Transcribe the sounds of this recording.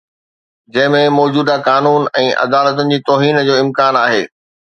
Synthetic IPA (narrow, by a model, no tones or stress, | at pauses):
d͡ʑɐ̃ɦɪ̃mẽmɔːd͡ʑuːd̪akaːnuːnɛ̃ːʔɐ̰d̪aːlət̪̬ʊnɪ̆d͡ʑiːt̪ɔːɦiːnd͡ʑoːɪ̃mkaːnaːɦeː